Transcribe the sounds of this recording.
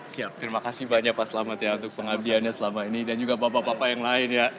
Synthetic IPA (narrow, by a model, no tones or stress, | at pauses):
siap̚t̪ɾimakasɪhbaɲak̚pasəlamat̪jaunt̪ʊk̚pəŋabianɲasəlamainidand͡ʒuɡapapapapajaŋlaɪnja